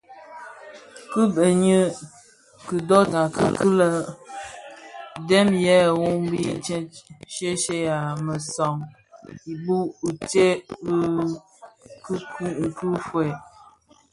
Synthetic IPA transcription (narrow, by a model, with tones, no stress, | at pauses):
kɨ˦bə˨ɲə˦ | kɨ˨dɔ˦na˨kə˦˨ki˦lə˦ | dɛ˦mjɛ˦˨wu˦ŋbi˦˨˦ʃe˦ʃe˦ja˨mə˨sɔ˨ŋ | i˨bu˦u˨te˦b | kkku˦fwɛ˨